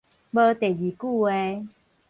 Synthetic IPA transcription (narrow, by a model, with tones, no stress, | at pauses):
bə˧˦t̪e˨˩d͡ʑi˨˩ku˥˧e˧